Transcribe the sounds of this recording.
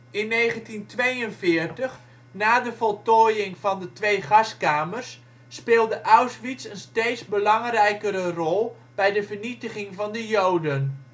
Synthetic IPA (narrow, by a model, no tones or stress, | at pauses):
ɪnːejχəntintʋejənvɪːrtəχ | naːdəvɔlˠtɔjɪŋv̥ɑndətʋejχɑskaːmərsː | pɪːlˠdəʔawsʋitsənsteːtsbəlɑŋrɛjkəɾərɔlˠ | b̥ɛjdəvərnitəχɪŋvɑndəjowdən